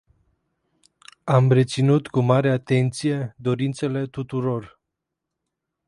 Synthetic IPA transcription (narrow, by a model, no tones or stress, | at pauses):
amre̞t̪sinut̪kumaɾe̞at̪e̞nt̪sije̞d̪o̞ɾint̪se̞le̞t̪ut̪uɾo̞r